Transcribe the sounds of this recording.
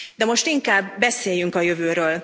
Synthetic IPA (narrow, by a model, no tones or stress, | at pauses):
d̪ɛmo̞ʃt̪iŋkaːbːɛseːjyŋkɒjø̞vøːɾøːl